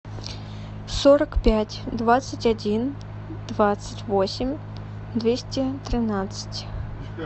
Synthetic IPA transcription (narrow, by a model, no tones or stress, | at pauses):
sɔɾɐkpʲatʲd̪vat̪sɨtʲad͡zʲin | d̪̥vat̪sɨtʲvɔsʲɪmʲ | d̪vʲesʲtʲɛt̪ɾɨnat̪sɨ̥tʲ